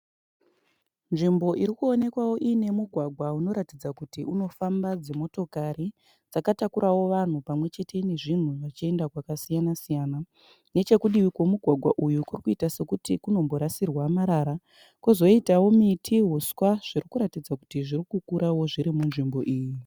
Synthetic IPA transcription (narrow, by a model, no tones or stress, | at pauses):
nʐimbo̞ʔiɾikuo̞ne̞kwawo̞ʔine̞muɡʱwaɡʱwauno̞ɾatid͡zakutiʔuno̞fambad͡zemo̞to̞kaɾi | d͡zakatakuɾʔawo̞ʋan̤upamwe̞t͡ʃe̞tʰe̞ne̞ʐin̤uʐat͡ʃie̞ndakwakasijanasijaːna | ne̞t͡ʃe̞kuɗiʋikwo̞muɡʱwaɡʱwaʔujukurikuitase̞kutikuno̞mbo̞ɾasirwamaɾaɾa | kuzo̞itawo̞mitʰiɦuswaʐ̥irikuɾatid͡zaku̥tiʐirikukuɾawo̞ʐiɾimunʐimbo̞ʔiːji